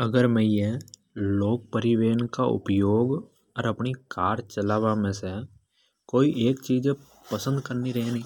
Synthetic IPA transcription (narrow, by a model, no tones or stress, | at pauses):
əɡəɾmɛ̃ːje | loːk̚pəɾɪʋeːnkaʊ̰pjoːɡ | ɔɾɐpnikaːɾt͡ʃəlaːʋamẽse | koːiʔeːkt͡ʃiːd͡ʒe | pəsə̃nd̪kəɾniɾɐɦenĩː